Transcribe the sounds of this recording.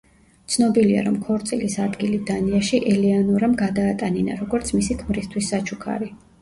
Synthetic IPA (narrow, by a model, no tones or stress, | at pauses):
t̪sʰnɔbilia̰ɾɔmkʰɔɾt̪sʼilisad̪ɡilid̪aniaʃiʔɛlianuɾamɡad̪aːt̪ʼanina̰ɾɔɡɔɾt̪sʰmisikʰmɾist̪ʰwisːat͡ʃʰukʰa̰ɾi